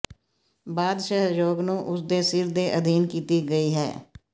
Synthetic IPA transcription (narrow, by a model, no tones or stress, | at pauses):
baːd̪ʃəɦjoːɡnũːʔʊsd̪eːsɪɾd̪eːʔəd̪ʱiːnkiːt̪iɡəiːɦɛ̰ː